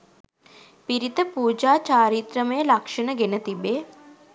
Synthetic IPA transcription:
piɾit̪əpuːd͡ʒaːt͡ʃaːɾit̪ɾəməjəlɐkʂənəɡenət̪ibeː

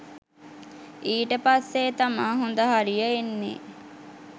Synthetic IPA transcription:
iːʈəpasːet̪amaːɦond̪əɦaɾijəenːḛ

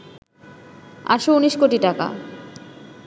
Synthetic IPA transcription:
a̰ʃouniʃkoʈiʈaka̰

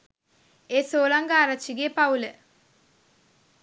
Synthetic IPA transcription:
eːsoːlaŋɡaːɾat͡ʃːiɡepaulə

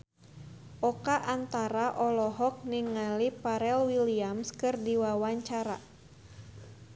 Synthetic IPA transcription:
ʔɔkaʔant̪aɾaʔɔlɔɦɔk̚niŋːalipaɾɛlwiliamskɨrdiwawaɲt͡ʃaɾa̰

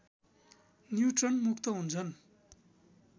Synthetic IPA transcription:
njuʈrʌnmukʰt̪ʌɦunt͡sʰʌn

